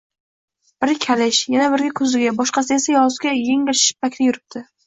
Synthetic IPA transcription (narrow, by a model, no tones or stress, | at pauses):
b̥ɪɾkʲʰalɪʃjanabɪɾɡʲakʰɵzɪɡʲabɒʃqɑs̬ɪe̞sajɒzɡʲajeŋɪʃɪ̥ʃɪ̥p̚ːakʲt̪ʰɪjʊɾɪp̚t̪ʰɪ